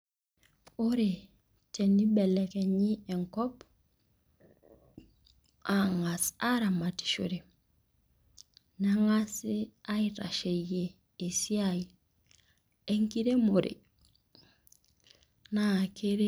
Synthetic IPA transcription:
oɾe˨ | te˨nːi˦bɛ˨le˨ke˨ɲi˦e˨ŋkɔ˦p | aŋa˨sa˦ɾa˨ma˨ti̥˨ʃo̰˨ɾe˨ | na˦ŋa˦si˦a˦iɾa̰˨ʃe˨jeː˨ | si˦aj | e˦ŋki˦ɾe˦mo˨ɾḭ˨ | na˨ke˦ɾe˦

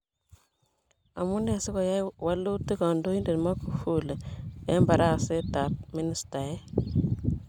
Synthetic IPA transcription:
a̰˨mu˦ne˨si˦ko˨ja˦jwa˦lu˦ti˦kɔ˨ndo˦ji˦nde˨nmɔ˦ku˨fu˦lɛ˦mba˨ɾa˦˨se˦ta˨p̚mi˦ni˨˦sta˨ɛ˦

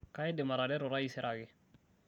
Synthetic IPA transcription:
ka˦ɛ˦dɛ˨ma˨ɾadɛ˦ɾɔ˨ɾa˦isɛ˦ɾʔaɡɪ˨

